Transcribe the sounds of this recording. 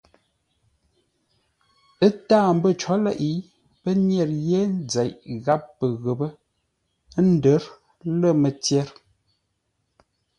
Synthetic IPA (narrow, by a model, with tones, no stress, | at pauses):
ə˦taː˦˨m̩bə˦˨t͡ʃɔ˨˦lɛ˦˨ʔi˨˦ | pə˦njɛ˦˨ɾje˦n˦d͡zɛ˨ʔɣa˦p̚ːə˨ɣə˨bə˦ | n̩˦də˨˦ɾ | lə˦˨mə˨tjɛ˦ɾ